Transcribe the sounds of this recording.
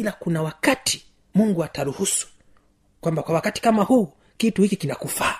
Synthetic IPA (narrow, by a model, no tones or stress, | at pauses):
ilakunawakatʰi̥ | muŋɡuataɾuhusu̥ | kwambakwawakati̥kamahuː | kituhikikinakufaː